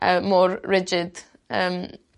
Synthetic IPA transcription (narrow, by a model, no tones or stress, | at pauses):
ʔəmɔːɹɹɪd͡ʒɪd̥ | əm